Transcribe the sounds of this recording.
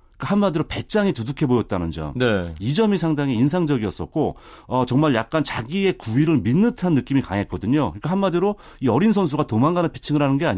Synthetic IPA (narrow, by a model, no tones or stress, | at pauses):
k͈ahanmadiɾope̞t͡ɕ͈aŋitudukʰe̞bojʌt̚t͈anɯnd͡ʑʌ̰mneid͡ʑʌmisʰaŋdaŋiinsʰaŋd͡ʑʌɡiʌs͈ʌt̚k͈o | ʌt͡ɕʌŋmaɭjak̚k͈ant͡ɕaɡie̞kuiɾɯɭminːɯtʰanːɯk͈imika̰ŋɦet̚k͈ʌdɯɲokɯik͈ahanmadɯɾo | iʌɾinsʰʌnsʰuɡatomaŋɡanɯnpʰi̥t͡ɕʰiŋɯɾɦanɯnɡe̞aɲ